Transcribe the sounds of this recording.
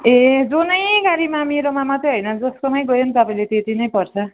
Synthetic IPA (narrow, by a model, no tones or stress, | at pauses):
ed͡zonʌjɡaɾimamiɾomamat̪ʌɦʌjnʌd͡zʌskonʌjɡʌjont̪ʌpaĩlet̪et̪ʰinʌjpʌrt͡sʰʌ